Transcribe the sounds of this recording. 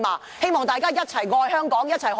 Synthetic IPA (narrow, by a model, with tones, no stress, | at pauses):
maː˨ | he˥jmɔː˨˩ŋt̪aː˨jkaː˥jɐ˥t̚t͡sʰɐ˨˩jŋɔː˧jhœː˥ŋkɔː˨˥ŋjɐ˥t̚t͡sʰɐ˨˩jh